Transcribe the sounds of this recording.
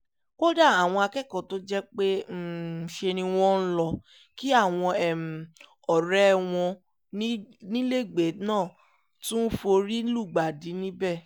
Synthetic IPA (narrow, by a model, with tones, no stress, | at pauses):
ko˦da˦˨a˨w̃ɔ̃˧a˧kɛ˦˨kɔ̃˨to˦d͡ʒɛ˦k͡pe˦˨ʃe˧nĩ˧w̃ɔ̃˦n̩˦lɔ˧ | ki˦a˦˨w̃ɔ̃˧ɛ˨m̩˨ | ɔ˨ɾɛ˦w̃ɔ̃˧ | ni˦nĩ˦le˦˨ɡ͡be˨˦nãː˦˨ | tũ˦fo˧ɾi˦lu˦˨ɡ͡ba˨di˨˦nĩ˦bɛ˦˨